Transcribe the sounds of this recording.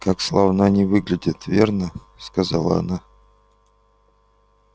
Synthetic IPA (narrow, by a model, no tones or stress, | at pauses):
kakslˠavnanʲɪvɨɡlʲɪdʲɪt̪vʲe̞rnə | skazalˠə̰ɐ̰na